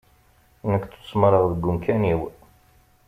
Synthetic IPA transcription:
nəkːtːu̥smɾˤəʁðəɡːʊmkʰæniw

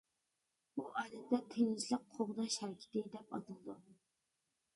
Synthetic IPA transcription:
buʔɑːd̪ɛt̪ʰːɛt̪ʰeŋzlɪk̚qʰoʁd̪ɑʃhɛɾkʲʰɪ̥t̪ɪd̪ɛpɑ̰t̪ʰɨlˠd̪u

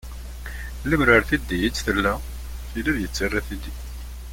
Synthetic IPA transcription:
ləmɾəɾθid̪ːijət͡sːθəlːæ | θiliɾjət͡sːərːæθid̪i

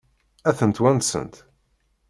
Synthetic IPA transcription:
æθənt̪wænt̪sə̰nt̪

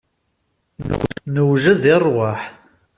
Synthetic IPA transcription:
nəwʒæðɪrˤwaħ

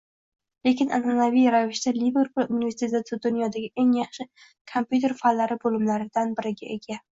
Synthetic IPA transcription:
le̞kʲʰɪnʔa̰nanavijɾavɪʃt̪alive̞ɾpʰulʲunive̞ɾsʰet̪t̪ɪd̪ʊnjɒd̪aɡʲɪʔe̞ŋjɑχʃɪ | kʰompʲjut̪ʰe̞ɾfalːaɾɪbolɪmlaɾɪd̪anbɪɾɪɡʲaʔe̞ɡʲa

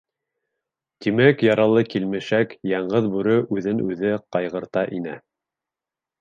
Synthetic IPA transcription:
t̪imækjɑɾɑlˠɤkilmɘ̆ʃækjɑɴɢɤðbʉɾɘʔʉðɘnʉðɘqɑjʁɤ̆ɾt̪ɑʔinæ

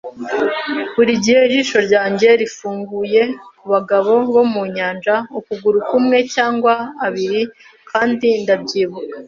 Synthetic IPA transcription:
βuɾiɟihe̞ʒiʃo̞ɾɟaːɲɟe̞ɾifuːŋɡuje̞kuβaɡaβo̞βo̞muɲaːnd͡ʒaukuɡuɾukumŋe̞caːŋɡwaːβiɾi | kʰaːndindabɟiːβukḁ

